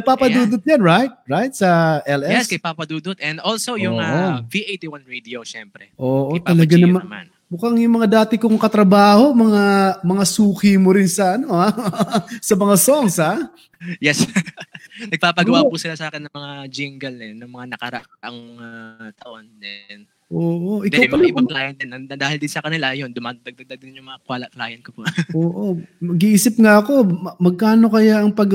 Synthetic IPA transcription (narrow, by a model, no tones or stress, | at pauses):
ɐɡ̚papɐd̪uːd̪ʊt̪̚janɹajt̪̚ɹajt̪̚sɐʔɛlʔɛjɛskɐjpapɐd̪uːd̪ʊt̪̚ɛ̃nd̪ʔolsojʊŋaʔoviʔejt̪iwanɹid̪ioʃɛmpɾɛʔoːʔot̪ɐlɐɡanɐmanman | mʊkɐŋjʊŋmɐŋad̪aːt̪ɪkʊŋkɐt̪ɾɐbaːho̞mɐŋamɐŋasuːkɪmoɾɪnsɐʔɐno̞ha | sɐmɐŋasoŋsha | jɛs | nɐɡ̚paːpɐɡɐwapusɪlasaːkɛnːɐŋmɐŋad͡ʒɪŋɡɐlnɛnɐmɐŋanɐkɐɾɐ̰ʔaʔɐŋmɐat̪ɐʔond̪ɛn | ʔoːʔo̞ʔɪk̪awmpɐlɐklaːjɐnd̪ɪnɐɐd̪aːhɪld̪ɪnsɐkɐnɪlaʔɐjo̞nd̪ʊmad̪ɐɡ̚d̪ɐɡ̚d̪aɡ̚d̪ɪnjʊŋmɐŋakwalɐkla̰ːjɐn̚kopooːʔomɐɡiʔiːsɪpŋaʔɐko̞mɐɡ̚kaːno̞kɐjaʔɐŋpɐɡ